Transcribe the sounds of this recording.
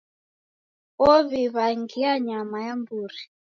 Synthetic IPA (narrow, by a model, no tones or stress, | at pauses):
ɔβiβaŋɡiaɲamajambuːri